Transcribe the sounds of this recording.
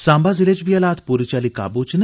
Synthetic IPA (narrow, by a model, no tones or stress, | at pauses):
sãmbaziled͡ʑbijalat̪ʰpuɾit͡ɕalika̰but͡ʃn